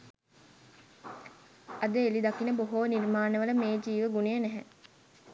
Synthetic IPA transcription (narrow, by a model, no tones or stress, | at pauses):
ɐd̪əelid̪ɐkinəboɦoːniɾmaːnəʋələmeːd͡ʒiːʋəɡunejənæɦɛ